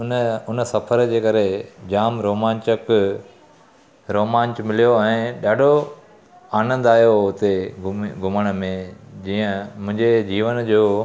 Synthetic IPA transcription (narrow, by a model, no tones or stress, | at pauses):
ʊnʊnə̆sɐfʰəɾd͡ʑeːkɐɾed͡ʑaːmɾoːmãːɲt͡ɕək | ɾoːmãːɲt͡ɕmɪlijoɛ̃ːɗaːɖʱo | aːnə̃nd̪aːjoʊt̪eɡɡʱʊməɽ̃mẽd͡ʑiːə̃mʊ̃ɦɪ̃ɲd͡ʑed͡ʑiːʋənd͡ʑoː